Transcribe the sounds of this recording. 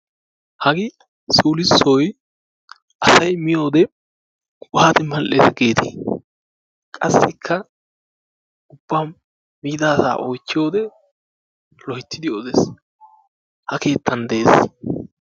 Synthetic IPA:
hɐɡɪ | suːlɪsːɔj | ʔɐsɐjmɪjo̞ːd̪ɛ | kʼhaːt̪ɪmɐlʔeːsɐɡe̞ːt̪ʰḭː | kʼɐsːɪkʰːɐ | ʊbːaːm | miːd̪aːsa̰ːʔojt͡ʃːɪjo̞ːd̪ɛ | lɔhɪt̪ːɪd̪ɪjoːd̪es | hɐke̞ːt̪ːɐnd̪ɛeːs

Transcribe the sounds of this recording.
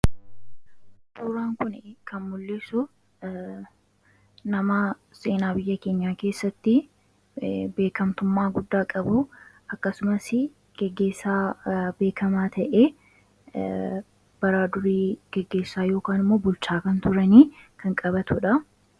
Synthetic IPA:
tuːɾaːŋkʊnɪkʰɐnmʊlːeːsʊ | nɐmaɐseːnaːbɪjːɐke̞ːɲːaːke̞ːsːɐt̪ːɪ | be̞ːkɐmt̪ʊmːaːɡʊd̪ːaːkʼɐbʊ | ɐkːɐsʊmɐsɪ | ɡ̥ɛɡːe̞ːsːaːbe̞ːkʰɐmaːt̪ʰɐʔeː | b̥ɐɾaːd̪ʊɾiːɡ̥ɛɡːe̞ːsːaːjo̞ːkaːnɪmːo̞ːbʊlt͡ʃaːkɐnt̪ʊɾɐniːkʰɐŋkʼɐbɐt̪ʊᶑɐ

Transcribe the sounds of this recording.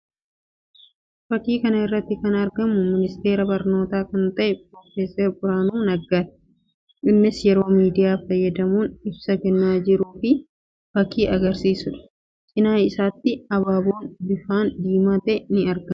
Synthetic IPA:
fɐkːiːkɐnɐɪrːɐt̪ːɪkɐnɐɾɡɐmʊmɪnɪst̪e̞ːɾɐbɐɾno̞ːt̪aːkɐnt̪ɐʔɛp̚ʼɾoːfeːsɛɾbʊɾaːnuːnɐɡːaːt̪ɛ̥ | ʔɪnːɪsjɛɾo̞ːmiːd̪ɪjaːfɐjːɐd̪ɐmuːnɪbsɐkɛnːaːd͡ʒɪɾuːfɪ | fɐkːiːʔɐɡɐɾsiːsʊᶑɐ̥ | t͡ʃʼɪnaːjɪsaːt̪ːɪɐbaːboːnbɪfaːnd̪iːmaːt̪ɐɛnɪɐɾɡɐm

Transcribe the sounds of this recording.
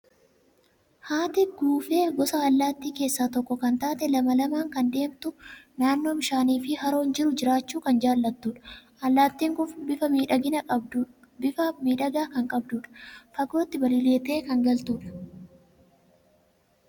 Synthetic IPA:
haːt̪ɪɡuːfe̞ːɡɔsaɐlːaːt̪ːiːke̞ːsːaːt̪ɔkːɔkɐnt̪aːt̪ɛlɐmɐlɐmaːŋkɐnd̪e̞ːmt̪ʊnaːnːo̞ːmɪʃaːniːfɪhɐɾo̞ːnd͡ʒɪɾʊd͡ʒɪɾaːt͡ʃːuːkɐnd͡ʒaːlːɐt̪ːuːᶑɐ̥ʔɐlːaːt̪ːiːŋɡʊfbɪfɐmiːᶑɐɡɪnɐkʼɐbd̪u | bɪfɐmiːᶑɐɡaːkɐŋkʼɐbd̪uːᶑɐ̥fɐɡo̞ːt̪ːɪbɐlɪle̞ːt̪e̞ːkɐŋɡɐlt̪uːᶑɐ̥

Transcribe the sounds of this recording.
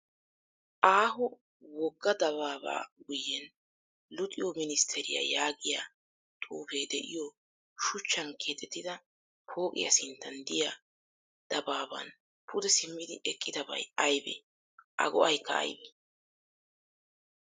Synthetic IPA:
ʔaːɦʊ | wɔɡːɐd̪ɐβaːba̰ːɡʊjːɛn | lʊt̪ʼɪjɔmɪnɪst̪ʰɛɾɪ̰jɐ̰jaːɡɪja̰ | t̪ʼṵːfeːd̪ɛʔɪjɔ | ʃʊt͡ʃːɐnkʰe̞ːt̪ɛt̪ːɪd̪ɐ | pʰo̞ːkʼɪ̰jɐ̰sɪnt̪ːɐnd̪ɪja | d̪̥ɐbaːbɐ̰n | pʰʊd̪ɛsɪmːɪd̪ɪʔɛkʼːɪd̪ɐbɐ̰jɐjbɛ̰ | ʔɐ̰ɡɔʔɐjkːɐɐ̰jbɛ

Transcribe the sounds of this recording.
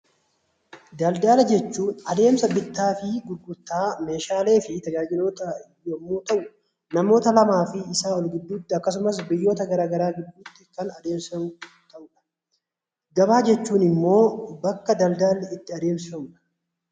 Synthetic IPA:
d̪ɐld̪aːlɐd͡ʒɛt͡ʃːuːnɐd̪e̞ːmsɐbɪt̪ːaːfɪɡʊɾɡʊɾt̪ːaːme̞ːʃaːle̞ːfɪt̪ɐɡaːd͡ʒɪnoːt̪ɐjomːuːt̪ɐʔʊ | nɐmo̞ːt̪ɐlɐmaːfɪɪsaːɔlɡɪd̪ːuːt̪ːɪɐkːɐs̬ʊmɐs̬bɪjːo̞ːt̪ɐɡɐɾaːɡɐɾaːɡɪd̪ːuːt̪ːɪkɐnɐd̪e̞ːmsɐɡʊʊt̪ːɐʔuːᶑɐ̥ | ɡɐbaːd͡ʒɛt͡ʃːuːnɪmːo̞ːbɐkːɐd̪ɐld̪aːlɪt̪ːɪɐd̪e̞ːmsɪfɐmʊᶑɐ̥

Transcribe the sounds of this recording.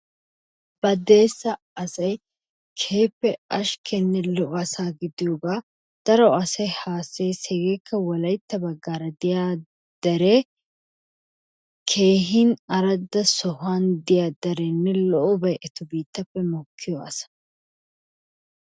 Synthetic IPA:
b̥ɐd̪e̞ːsːɐ | ɐsɐj | kʰeːpːɛʔɐʃkʰɛnːɛlɔʔɔɐsaːɡɪd̪ɪjoːɡaː | d̪̥ɐɾɔɐsɐjhaːsːeːsɛɡekʰːɐwɔlɐjt̪ːɐbɐɡːaːɾɐd̪ɪjaː | d̪̥ɐɾɛ | kʰe̞ːɦɪnɐɾɐd̪ːɐsɔhand̪ɪjaːd̪ɐɾɛnːɛlɔʔɔbɐjʔɛt̪ʊbiːt̪ːɐpːɛmɔkʰːɪjɔɐ̰sɐ̥

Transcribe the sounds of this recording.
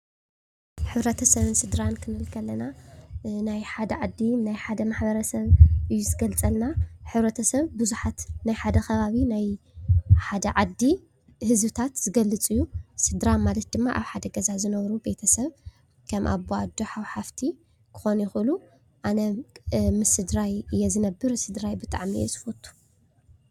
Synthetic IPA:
ħɨβɾɐt̪ʰɐsɐβɨnsɨd̪ɾankʰɨnɨlkʰɐlːɐna | najħad̪ɐʕad̪ːinajħad̪ɐmaħbɐɾɐsɐβʔɨjːuzɨɡɐlt͡sʼɐlnaħɨβɾɐt̪ʰɐsɐβbɨzuħat̪najħad̪ɐkʰɐβaβinaj | ħad̪ɐʕad̪ːi | hɨzbɨt̪ʰat̪z̥ɨɡɐlːɨt͡sʼɨjːusɨd̪ɾamalɐt̪̚d̪ɨmːaʔaβħad̪ɐɡɐzazɨnɐβɾube̞t̪ʰɐsɐβ | kʰɐmʔa̰βːoad̪oħawħaft̪ʰi | kʰɨ̥xo̞njɛxʔɨlu | ʔanɐmɨsɨd̪ɾajɨjːɛzɨnɐbːɨɾsɨd̪ɾajbɨt̪ʼaʕmḭɛ̰zɨ̥fot̪ʰːu̥

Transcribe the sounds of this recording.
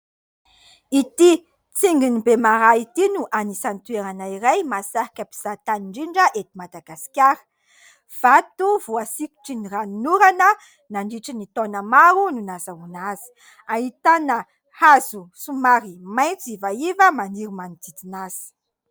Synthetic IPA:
it̪i | t͡siŋɡinibemaɾait̪inuʔanisant̪ueɾanaiɾajmasaɦikʲəpi̥z̥at̪aniɳɖ͡ʐiɳɖ͡ʐəʔet̪imad̪aɡasi̥kʲaɾə̥ | v̥at̪uvuasiku̥ʈ͡ʂinirannuɾanə | naɳɖ͡ʐiʈ͡ʂinit̪onəmaɾununazaunazi̥ | aɦit̪anə | hazusumaɾimajnt͡sivaivəmaniɾumanid̪it̪inaz̥i̥

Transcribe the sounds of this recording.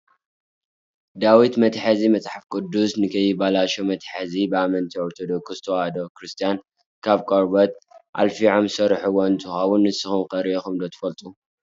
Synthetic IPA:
d̪awit̪mɐt̪ħazimɐt͡sʼħafkʼɨd̪ːusnɨkʰɐjɪbalaʃomɐt̪ħazibɨamɐnt̪ʰioɾt̪ʰod̪okʰɨst̪ʰowad̪okɾɨst̪ʰijan | kʰaβkʼoɾbɐt̪̚ʔa̰lfiʕomsɐɾħuwɔnt̪ʰɨxawunːɨsɨxumkʼɐɾiexumd̪ot̪ʰɨ̥fɐlt̪ʼu

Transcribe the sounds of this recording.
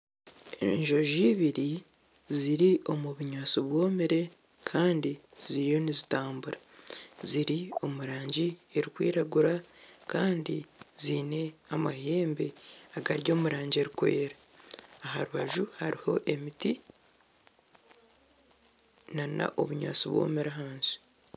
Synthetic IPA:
ɲʒo̞ʒiβiɾi | ziɾio̞muβuɲaːt͡soβwo̞ːmiɾe̞ | kʰaːndi | z̥ijo̞nizitaːmbuɾa | ziɾio̞muɾaːɲɟieɾikwḭːɾaɡuɾakaːndiziːne̞amahe̞ːmbeaɡaɾjo̞ːmuɾaːɲɟie̞ɾikwe̞̰ːɾaː | ɦaɾuβaʒuhaɾiho̞ʔe̞miti | nana̰ʔo̞̰βuɲa̰ːt͡siβwo̞̰ːmeɾaɦaːnzi̥

